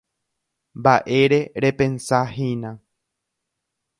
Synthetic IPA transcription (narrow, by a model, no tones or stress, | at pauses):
mbaʔe̞ɾe̞ɾe̞pẽ̞nsaɦinã